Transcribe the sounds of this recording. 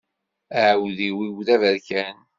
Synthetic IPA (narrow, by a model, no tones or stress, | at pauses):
əʕwðiwiwðævæɾkæn